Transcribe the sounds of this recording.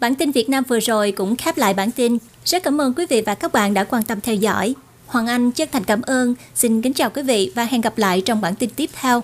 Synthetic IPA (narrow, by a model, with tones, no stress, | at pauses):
ɓaː˧˩nt̪i˧nvi˨˩ət̚naː˧mvɨ˨˩əzo˨˩jkʊ̰˧˥ŋ͡mxɛ˦˥p̚la̰ː˧˨jɓaː˧˩nt̪i˧n | z̥ə˦˥t̚kːaː˧˦mʔəː˧nkwi˨˦vḭ˧˨vaː˨˩kaː˦˥k̚ɓa̰ː˧˨nɗa̰ː˧˥kwaː˧nt̪ə˧mt̪ʰɛ˧wzɔ̰˧˥˩j | hwaː˨˩nʔa˧jŋ̟t͡ɕt̪̚ʰŋ̟kaː˧˩mʔəː˧n | si˧nkï˨˦ŋ̟t͡ɕaː˨˩wkwi˨˦vḭ˧˨vaː˨˩ɦɛ˧˩nɣa˨˩p̚la̰ː˧˨jt͡ɕɔ˧wŋ͡mɓaː˧˩nt̪i˧nt̪i˦˥əp̚t̪ʰɛ˧w